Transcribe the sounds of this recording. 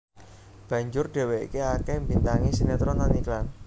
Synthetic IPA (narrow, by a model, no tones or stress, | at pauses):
b̥a̤ɲd͡ʒʊrɖ̥e̤weḭkiakɛhmbint̪aŋisinat̪ɾɔnɔniklan